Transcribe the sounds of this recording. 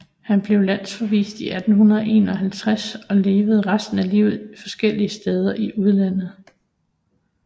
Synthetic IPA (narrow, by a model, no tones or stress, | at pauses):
hænb̥le̝ʊlæn̰sfɒ̽ʋḭːsd̥iʔæd̥n̩ɦunɐðˠʔe̝̰ːnɒ̽ɦælt͡sʰʁasɒ̽le̝ːʋəð̞̩ˠʁasd̥n̩ælḭʊ̰ð̞̩ˠifɒ̽sɡ̥el̰iəsd̥eːð̞ˠɐʔiʔuð̞ˠlæn̰ð̞̩ˠ